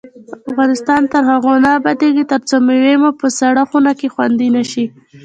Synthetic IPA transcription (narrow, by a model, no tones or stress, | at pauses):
afɣɑnɪst̪ɑnt̪əɾhaɣonabad̪eɡit̪əɾt͡somewemopəsaɽaxunakexwa̰nd̪inaʃi